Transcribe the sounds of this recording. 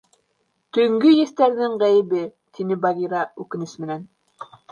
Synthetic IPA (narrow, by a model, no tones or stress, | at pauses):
t̪ɵ̆ŋɡɵjæθt̪æɾðɘŋʁæjɘ̆βɘ | t̪ʰinɘbɑɣʲiɾɑʉkɘ̆nɘsmɘ̆næn